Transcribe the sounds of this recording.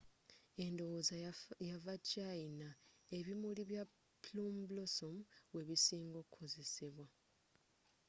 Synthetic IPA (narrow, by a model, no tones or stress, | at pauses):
e̞ndo̞wozajavat͡ʃainae̞βimuliβja | plumblosomweβisiːŋɡo̞kʰoze̞siβwa